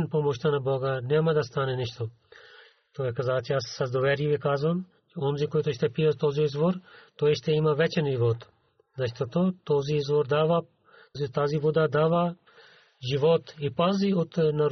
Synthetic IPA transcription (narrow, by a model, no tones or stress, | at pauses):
npɔmɔʃt̪anabɔɡanɛmad̪ast̪anɛniʃt̪o | t̪oɛkazat͡ʃɛjasːazd̪oʋɛɾibikazvam | t͡ʃɛɔnzikojt̪oʃt̪ɛpiat̪ɔzioizvoɾt̪ɔɛʃt̪ɛimavɛt͡ʃɛnʒivɔt̪ | zat͡ʃt̪ot̪ot̪ɔziizvoɾd̪aʋa | zit̪azivɔd̪ad̪ava | ʒiʋɔt̪ipaziot̪naɾ